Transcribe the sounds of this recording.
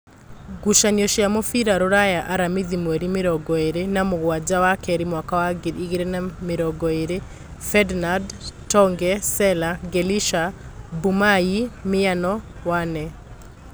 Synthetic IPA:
ɡuʃaniɔʃjamɔfiɾaɾoɾajaʔaɾamiðimwɛɾimeɾɔɡɔeɾenamoɣwad͡ʒawakɛɾimwakawaɡeɾiɣeɾenameɾɔɡɔeɾe | fɛdnadtɔŋɡɛsɛlaɡeliʃabumaimɪanɔwanɛ

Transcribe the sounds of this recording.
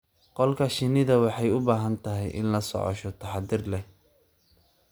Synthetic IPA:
qɔlkʰɐʃɪnɪðɐwɑħɑjʊbaːɦɐnt̪ʰɐɦɛjʔɪ̰nlɐsɔ̰ʕɔ̰ʃɔt̪ʰɐħɑd̪ɪrlɛh

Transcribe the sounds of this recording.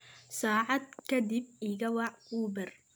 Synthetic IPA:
saːʕɑd̪kʰɐd̪ib̚iːɣɐwɑʕuːbɐr

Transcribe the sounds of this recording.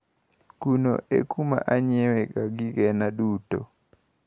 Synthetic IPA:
kuno̰ḛkuma̰ʔaɲɛwɛɡaɡɪɡɛnaduto̰

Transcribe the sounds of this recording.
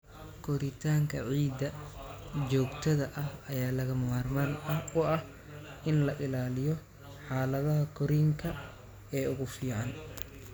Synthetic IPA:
kʰɔɾɪt̪ʰaːŋkʰɐʕiːd̪ɐ | d͡ʒɔːɡt̪ʰɐðɐʔɐhɐjaːlɐɣɐmɐmaːrmaːnɐʊʔɐh | ɪnlɐʔɪlaːlɪjɔ | ħaːlɐðɐɦɐkʰɔɾiːŋkʰɐ | ɛːʊɣʊfiːʕɑn

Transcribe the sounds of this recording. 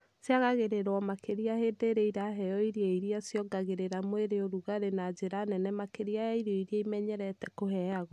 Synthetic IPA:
sjaɣaɣeɾeɾɔmakeɾiahedeɾeiɾaɦɛjɔiɾjɛiɾiasjɔɡaɣeɾeɾamoeɾeoɾuɣaɾenad͡ʑeɾanɛnɛmakeɾiajaiɾɔiɾiaimɛɲɛɾɛtɛkoɦɛaɣɔ

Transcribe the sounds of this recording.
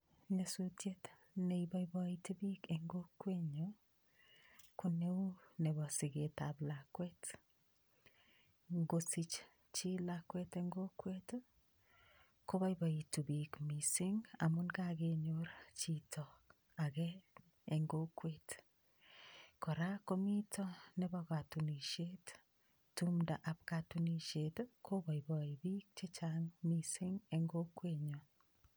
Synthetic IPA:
ɲasutjet | neibajbɔitubikeŋɡokːweɲo | kuneunebɔsiɡetablakwɛt | ŋɡosit͡ʃ | t͡ʃilakwɛteŋɡokwet | kobajbaitubikmisiŋamunɡaɣeɲoɾat͡ʃitʰo | aɣeː | ŋɡokwet | koɾakomitʰoneβaɣatuniʃet | tumdaʔapkatuniʃetkʰoβaiβaiβik̚t͡ʃet͡ʃaŋmisiŋeŋɡokweːɲo

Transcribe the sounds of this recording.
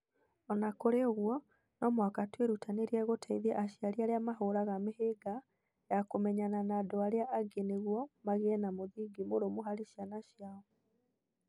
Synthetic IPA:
ɔnakoɾeoɣwɔ | nɔmwakatweɾutaneɾiɛɣotʰaiðɛʔaʃiaɾiaɾeamaɦoɾaɣameheɡa | jakomɛɲananadoaɾeaʔaɡeneɣwɔmaɣeɛnamoðiɡimoɾomoɦaɾeʃjanaʃjaɔ

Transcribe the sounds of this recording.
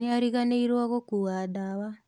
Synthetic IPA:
iaɾiɣaneiɾwaɣokuɣadaβa

